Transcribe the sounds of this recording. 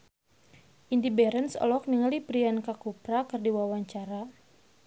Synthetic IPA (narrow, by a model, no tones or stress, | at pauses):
ʔindibɛɾɛnsɔ̰lɔk̚niŋalipɾiankakupɾakɨrdiwawaɲt͡ʃaɾa